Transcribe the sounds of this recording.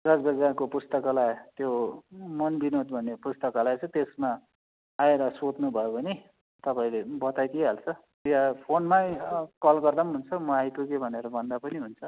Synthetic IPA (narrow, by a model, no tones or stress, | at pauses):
d̪ʌsbʱʌd͡zarkopust̪ʌkalat̪jomʌnbinod̪bʱʌnːepust̪ʌkalajt͡sʰʌ̃t̪esmaː | eɾʌsot̪nubʱʌjobʌni | t̪ʌpaĩlebʌt̪ajk̪eɦalt͡sʰʌ | japʰonmajkʌlɡʌrd̪ʌmɦunt͡sʰʌmʌajt̪ukebʱʌneɾʌbʱʌnd̪apʌniɦunt͡sʰʌ